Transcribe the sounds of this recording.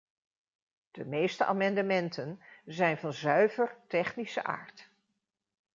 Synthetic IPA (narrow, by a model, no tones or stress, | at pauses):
d̥əmejstəʔa̰ːmɑndəmɛntənzɛjnvɑnzœɥvərtɛχnisə̰ʔa̰ːɹt